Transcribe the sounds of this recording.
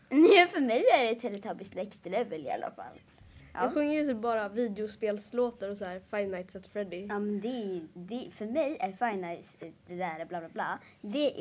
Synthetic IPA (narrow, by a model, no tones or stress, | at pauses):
nɛfœɾmɛjæɖɛt̪ʰːɛɾɛt̪ʰɑːbɪst̪lɛkst̪lɛvəlɪ̰a̰lːa̰fa̰lː | jʔɑ̰ɑɧɵŋːəɾjɵsɛbɑːɾaviːd̪ɛʊspeːlsloːt̪aɾɔsæːɾfajnajt̪sɛt̪fɾɛd̪ɪɑːmɛnd̪ɛd̪ɛfœɾmɛjæɾfajnajt̪sd̪ɛd̪æːɾablɑːblaːbla̰ːd̪ɛ